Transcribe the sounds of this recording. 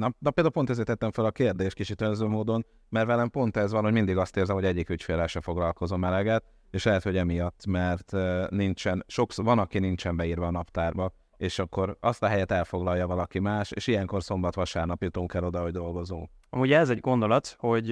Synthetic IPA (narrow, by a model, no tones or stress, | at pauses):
nɒd̪ɒpeld̪aulpot̪ɛzeːt̪ɛt̪ːɛɱfɛlɒkeːrd̪eːʃtkit͡ʃit̪ønzøːmoːd̪o̞n | mɛrvɛlɛmpo̞nt̪ɛzvɒnɦo̞ɟmind̪iɡɒst̪eːrzɛmɦoɛɟːikycfeːlɛlʃɛfo̞ɡlɒlko̞zomɛlɛɡɛt̪ | eːʃlɛɦɛt̪ho̞ɟɛmijɒt̪ːmɛrt̪nint͡ʃɛnʃo̞ksvɒnɒkinint͡ʃɛmbɛiːrʋɒːnɒpt̪aːrbɒ | eːʃɒkːo̞ɾɒst̪ɒɦɛjɛt̪ɛlfo̞ɡlɒjːɒvɒlɒkimaːʃḛːʃijɛŋko̞rso̞mbɒt̪ʋɒʃaːrnɒpit̪oːŋkɛlːo̞d̪ɒɦo̞ɟd̪o̞lɡo̞zoː | ɒmuːɟɛɛzɛɟɡo̞nd̪o̞lɒt̪ho̞ɟ